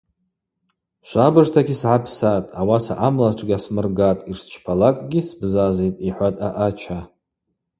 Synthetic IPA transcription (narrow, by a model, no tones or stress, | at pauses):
ʃʷabɨʐtʰaɡʲisʕapʰsatʼawasa̰ʔamlaʈ͡ʂʷʰʼɡʲasmɨrɡatʼirst͡ʃʷʰpʰalakʼɡʲisbzazetʼiħʷatʼaʔat͡ʃʷʰa